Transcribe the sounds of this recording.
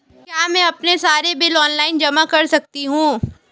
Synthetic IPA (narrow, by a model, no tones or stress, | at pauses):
kjaːmɛ̃ːɐpnesaːɾebɪlɔːnlaːɪnd͡ʒɐmakɐɾsɐk̚t̪iɦũː